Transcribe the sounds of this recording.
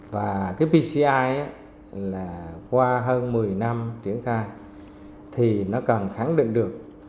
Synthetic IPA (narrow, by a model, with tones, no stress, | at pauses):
vaː˨˩kaː˨˦jpi˧si˧ʔaː˧jʔaː˨˦ | laː˨˩kwaː˧ɦəː˧nmɨ˨˩əjna˧mt͡ɕi˧˦ənxaː˧j | t̪ʰi˨˩nɔ˨˦kə˨˩nxa˧˥ŋɗḭ˧˨ŋ̟ɗɨ˨˩ək̚